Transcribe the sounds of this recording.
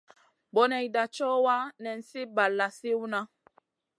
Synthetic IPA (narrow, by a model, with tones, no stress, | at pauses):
bɔ˨nɛ˨i˨da˨t͡ʃɔ˦wa˦nɛ˨n̩˨si˦ba˨lːa˨si˦wu˦na˦